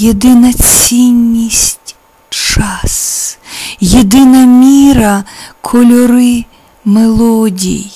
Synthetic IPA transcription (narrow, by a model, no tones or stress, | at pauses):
jed̪ɪnɐt͡sʲinʲːisʲtʲ | t͡ʃɑs | jed̪ɪnɐmʲiɾɐkʰɔlʲɔɾɪ | melˠɔdʲḭj